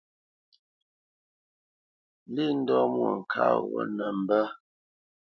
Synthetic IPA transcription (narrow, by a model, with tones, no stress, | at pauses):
li˦˨n̩˦dɔ˦mwɔ˨ŋ̩˨kʰa̰˦wɔ̰˦˨nə˨m̩˨bə˦